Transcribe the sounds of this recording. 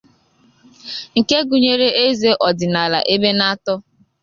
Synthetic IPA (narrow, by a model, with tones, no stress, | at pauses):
ŋ̩˨ke˦ɡu˨ɲe˦ɾe˦ʔe˦ze˦ʔɔ˨dɪ˨na˨la̰˨ʔe˦be˦na˦tɔ˦